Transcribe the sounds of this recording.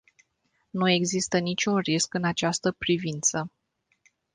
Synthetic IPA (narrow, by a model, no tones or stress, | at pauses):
nue̞ɡzist̪ənit͡ʃʲunriskɨnat͡ʃast̪əpɾivint̪sə